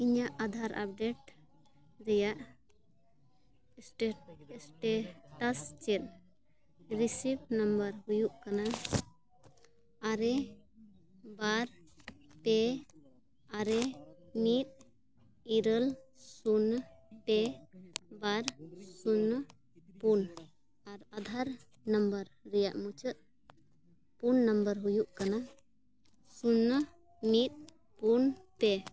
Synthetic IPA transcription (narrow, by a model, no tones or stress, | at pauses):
iɲaʔad̪ʱaɾa̰p̚ɖeʈ | ɾɛjaʔ | ʈesʈeʈast͡ʃel | ɾisipnɐmbəɾɦujuʔkana | aɾe | baɾpe | aɾemit̪̚ | iɾəlsunpɛ | baɾsunː | pun | aɾad̪ʱaɾ | nambəɾːɛjaʔmut͡ʃət̪̚ | punːambəɾɦujuʔkana | sunː | mit̪̚ | punpɛ